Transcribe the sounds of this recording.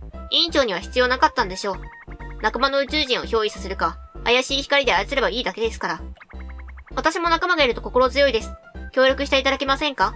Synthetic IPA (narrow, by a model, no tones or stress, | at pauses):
ĩɲ̟t͡ɕo̞ːɲ̟iβaçi̥t͡sɨjoːnakat̪ːãnd̪e̞ɕo̞ː | nakamano̞ɯ̟t͡ɕɨːʑĩɰ̃o̞ço̞ːisase̞ɾɯ̟ka̰ːjaɕiːçi̥kaɾʲid̪e̞aisɨɾe̞baiːd̪ake̞d̪e̞sɨ̥kaɾa | βat̪aɕimo̞nakamaɡaiɾɯ̟t̪o̞ko̞ko̞ɾo̞zɨjo̞id̪e̞sɨ̥kʲo̞ːɾʲo̞kɯ̟ɕi̥t̪eit̪ad̪akʲemasẽ̞ŋka